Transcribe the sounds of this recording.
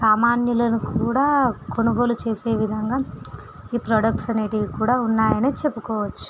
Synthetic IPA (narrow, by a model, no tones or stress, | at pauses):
saːmaːnjulɐnukuːɽaːko̞ɳuɡoːlut͡ʃe̞ːse̞ːʋid̪ʱɐŋɡaː | iːpɾɔːɖɐk̚ʈsɐniʈiɡkuːɽaːunːaːjɐniːt͡ʃe̞pːukɔːʋɐt͡ʃːu̥